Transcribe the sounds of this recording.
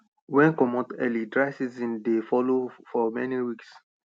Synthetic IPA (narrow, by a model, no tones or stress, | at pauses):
wɛ̃nkɔmɔtɛlidɹaɪsizĩndefɔlofɔmɛniwiks